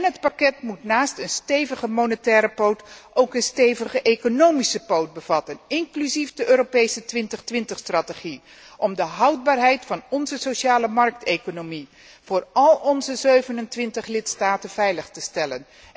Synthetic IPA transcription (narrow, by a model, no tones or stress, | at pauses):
nɦətpɑkɛtmutnaːstənstejvəχəmownətɛːɾəpowtʔowkənstejvəχəʔejkonowmisəpowt̚bəv̥ɑtənɪŋklyzifdəʔøːɾopejsətʋɪntəχtʋɪntəχstrɑteχi | ʔɔmdəɦɑwd̚baːrɦɛjtfɑnɔnzəsoʃaːləmɑrk̚tejkonomi | v̥ʊːrɑlˠɔnzəzøɥvənəntʋɪntəχlɪtstaːtənv̥ɛjləχtəstɛlə̰n